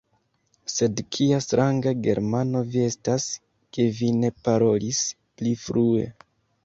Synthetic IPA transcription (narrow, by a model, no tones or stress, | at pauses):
se̞dkʰiastɾʔaŋɡaɡe̞̰ɾmano̞vie̞stas | ke̞vine̞paɾo̞lis | plifɾue̞̰